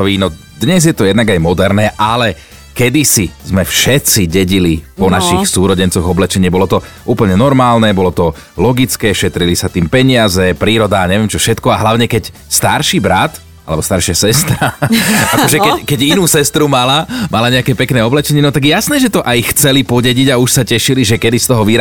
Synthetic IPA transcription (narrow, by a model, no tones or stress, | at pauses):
ɔʋiːnɔ | d̪ɲɛzjɛt̪ɔjɛd̪naɡajmɔd̪ɛɾnɛːʔalɛ | kɛd̪isizmɛfʃɛt̪t͡siɟɛɟilipɔnaʃixsuːɾɔɟɛnt͡sɔɣɔblɛt͡ʃɛɲɪɛbɔlɔt̪ɔ | ʔuːpl̩ɲɛnɔɾmaːlnɛbɔlɔt̪ɔ | lɔɡit͡skɛːʃɛt̪ɾilisat̪iːmpɛɲɪazɛpɾiːɾɔd̪aɲɛʋɛmt͡ʃɔfʃɛt̪kɔaɦlaʊɲɛkɛc | st̪aɾʃibɾat̪ | a̰lɛbɔst̪aɾʃɪasɛst̪ɾaakɔʒɛkɛkɛɟinuːsɛst̪ɾumalamalaɲɛakɛːpɛknɛːɔblɛt͡ʃɛɲɪɛnɔt̪aɡjjasnɛːʒɛt̪ɔʔajxt͡sɛlipɔɟɛɟiɟauʃsacɛʃiliʒɛkɛd̪ist̪ɔɦɔʋiːɾ